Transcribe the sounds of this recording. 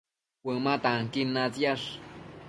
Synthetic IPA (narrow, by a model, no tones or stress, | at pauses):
wəmat̪aŋkinːat͡sjaʂ